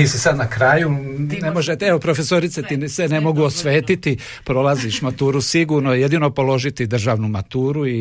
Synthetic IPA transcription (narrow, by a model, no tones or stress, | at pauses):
iːsisad̪nakɾaːjuinemoʒet̪eopɾofesoɾit̪set̪isene̞mo̞ɡuosʋeːt̪it̪i | pɾo̞lˠaziʃmat̪uːɾusiɡuːɾnoje̞d̪ino̞po̞lo̞ʒit̪id̪r̩ʒaːʋnumat̪uːɾui